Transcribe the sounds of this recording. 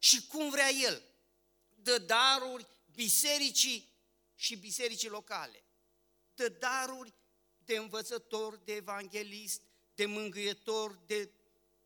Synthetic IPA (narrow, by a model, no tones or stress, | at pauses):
ʃikumvɾeaje̞l | d̪əd̪aɾurʲ | bise̞ɾit͡ʃi | ʃibise̞ɾit͡ʃilo̞kale̞̰ | d̪əd̪aɾurʲ | d̪e̞ɨnvət̪sət̪o̞rʲd̪e̞ːvaŋɡʲe̞list̪ | d̪e̞mɨŋɡɨjet̪o̞rʲd̪e̞